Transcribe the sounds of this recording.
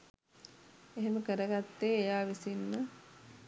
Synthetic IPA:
eɦeməkəɾəɡat̪ːeːjaːʋisinːə

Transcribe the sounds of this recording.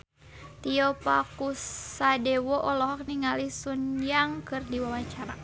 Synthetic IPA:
t̪iɔpakusadɛwɔʔɔlɔɦɔk̚niŋalisunjaŋkɨrdiwawaɲt͡ʃaɾa

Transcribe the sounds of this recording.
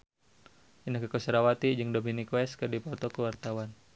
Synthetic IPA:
ʔinakəkosəɾawat̪id͡ʒɨŋdominikwɛskɨdipɔt̪ɔkəwart̪awan

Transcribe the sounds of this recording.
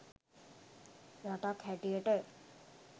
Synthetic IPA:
ɾaʈakʰhɛʈieʈə

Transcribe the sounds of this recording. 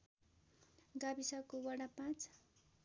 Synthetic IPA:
ɡabisakowaɽapãt͡s

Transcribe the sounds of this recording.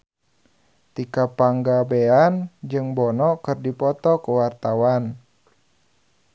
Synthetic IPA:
t̪ikapaŋɡabeand͡ʒɨŋbɔnɔkɨrdipɔt̪ɔkuwart̪awan

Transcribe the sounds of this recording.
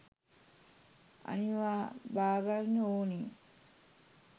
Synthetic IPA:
a̰niʋaːbaːɡalnːəoːniː

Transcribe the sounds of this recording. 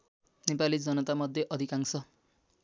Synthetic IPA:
nepalid͡zʌnʌt̪amʌd̪ʱːjeʔʌd̪ʱikaŋsʌ

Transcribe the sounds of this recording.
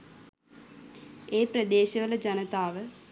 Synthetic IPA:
eːprɐd̪eːɕɐʋɐlɐd͡ʑɐnɐt̪aːʋɨ

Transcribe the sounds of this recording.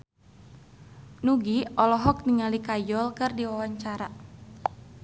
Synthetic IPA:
nuɡiɔlɔɦɔk̚niŋalikajɔlkɨrdiwawaɲt͡ʃaɾa

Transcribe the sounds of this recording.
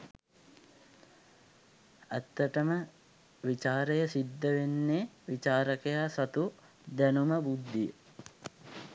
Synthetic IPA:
æt̪ːɐʈəmə | ʋit͡ʃaːɾejəsid̪ːəʋenːeʋit͡ʃaːɾəkɐjaːsɐt̪u | d̪ænuməbud̪ːijə̰

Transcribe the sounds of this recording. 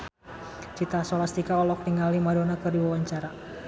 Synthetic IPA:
t͡ʃit̪asɔlast̪ikaɔlɔk̚niŋalimadonakərdiwawaɲt͡ʃaɾa

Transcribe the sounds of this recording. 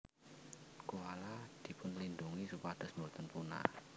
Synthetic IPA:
koalad̪̥i̤pʊnlinduŋisupad̪̥əsmurt̪ənpuna̰

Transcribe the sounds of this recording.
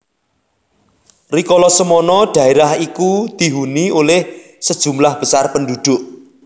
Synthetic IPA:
rikɔlɔsəmɔnɔɖ̪̥ä̤eɾahikud̪̥i̤ɦuniolɪh | səd̥ʒ̥ṳmlahb̥ə̤sarpəndud̪̥ʊ̤ʔ

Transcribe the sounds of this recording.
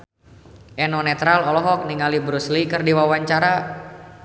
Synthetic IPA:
ʔɛnɔnɛt̪ɾalɔlɔɦɔk̚niŋalibɾuslikɨrdiwawaɲt͡ʃaɾa

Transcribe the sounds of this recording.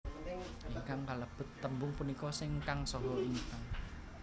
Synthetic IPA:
iŋkaŋkaləb̥ʊ̤t̪ːəmbʊŋpunikɔsɪŋkaŋsɔɦɔʔiŋkaŋ

